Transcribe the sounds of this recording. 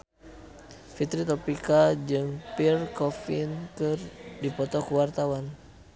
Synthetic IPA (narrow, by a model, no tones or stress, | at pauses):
fit̪ɾit̪ɔpikad͡ʒɨŋpirkɔfinkɨrdipɔt̪ɔkuwart̪awan